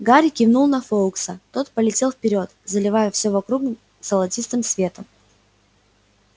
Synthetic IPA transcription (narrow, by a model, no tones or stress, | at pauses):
ɡaɾʲɪkʲɪvnulˠnɐfolksət̪o̞t̪pəlʲɪtʲe̞lˠfpʲɪɾʲo̞t̪zəlʲɪvajəfsʲovɐkɾuɡ | səlˠɐtʲist̪ɨmsvʲe̞t̪əm